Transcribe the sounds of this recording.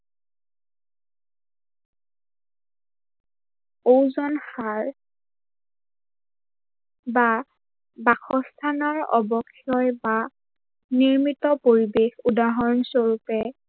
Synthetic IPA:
owzɔnxaɹ | ba | baxɔstʰanɔɹɔ̰bɔkʰːijɔjba | niɹmitɔpoɹibexudaɦɔnsoɹupɛ

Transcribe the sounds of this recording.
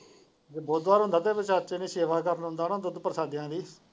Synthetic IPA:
d͡ʒeːbɔːt̪aːɾõnd̪aːt̪eːbət͡ʃaːt͡ʃenẽːseːʋaːkəɾənõnd̪aːnãːt̪od̪pəɾsaːd̪ɪjãːd̪iː

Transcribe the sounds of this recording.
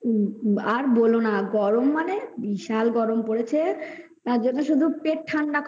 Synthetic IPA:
aɾbolonaɡɔɾomːanebiʃalɡɔɾompoɾet͡ɕʰe | t̪aɾd͡ʑonːoʃud̪ʱupeʈ̚ʈʰːanɖakʰ

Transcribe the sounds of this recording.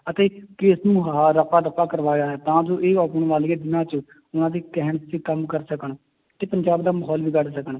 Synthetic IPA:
ət̪eːkeːsnũːɦaːɾəpaːɾəpaːkəɾʋaːɡaːɛːt̪ãːd͡ʒoːʔeːaːpəɳʋaːliːãːd̪ɪnãːt͡ʃə | ʊnãːd̪iːkɛɦənət̪t͡ʃiːkəmkəɾsəkəɳ | t̪eːpəɲd͡ʒaːbd̪aːməɦɔːlʋiːkəɾsəkəɳ

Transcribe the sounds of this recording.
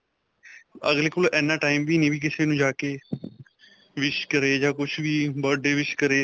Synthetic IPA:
əɡleːkʊlʔɛːnãːʈaːimʋiːnẽːʋiːk̬ɪseːnũːd͡ʒaːkeː | ʋɪt͡ʃkəɾeːd͡ʒaːkʊt͡ʃʰʋiːbəɖeːʋɪt͡ʃkəɾeː

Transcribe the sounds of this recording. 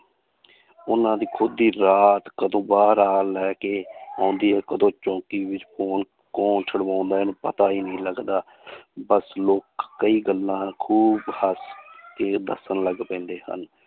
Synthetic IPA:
ʊnãːd̪iːkʰʊd̪iːɾaːt̪kəd̪õːbaːɾaːlɛːkeːãːnd̪iːɛːkəd̪õːt͡ʃõːkiːʋɪt͡ʃpʰoːn | kõːnt͡ʃʰəɽʋãːnd̪aːɛnũːpə̰t̪aːiːnəĩːləɡd̪aː | bəsloːkːəiːɡəlːãːkʰuːbhəskeːd̪ə̰sənləɡpɛ̃ːnd̪eːhə̰n

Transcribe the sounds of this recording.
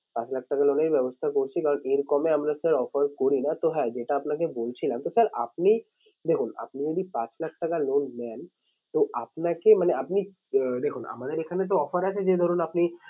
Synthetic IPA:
pãːt͡ʃlɐk̚ʰʈɐkaloːneɾibjɛbost̪ʰakoɾt͡ʃʰikaɾɔnʔeɾkɔmeɐmɾasəɾɔːfəɾkoɾinat̪oɦɛd͡ʒeʈaːpnak̬eboːlt͡ʃʰilãmt̪osəɾa̰p̚ni | d̪ekʰʊna̰pnid͡ʒod̪ipãt͡ʃlɐk̚ʰʈɐkaloːnmɛn | t̪oʔapnakemɐneɐpni | d̪ekʰʊna̰mad̪eɾekʰanet̪̬oɔːfəɾɛt͡ʃʰed͡ʒed̪ʱɔɾonɐpni

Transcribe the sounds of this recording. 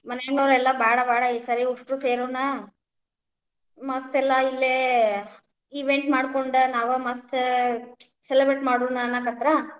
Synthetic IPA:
mɐnemnoːɾɛlːɐbʱaːɽɐbaːɽɐisɐɾiuʂʈɾuseːɾuːnɐ | mɐst̪ɛlːɐilːe | iʋeɳʈmaːɽkoɳɖɐnaːʋɐmɐst̪ | selebɾeʈmaːɽuːnɐnːɐkɐt̪ɾɐ

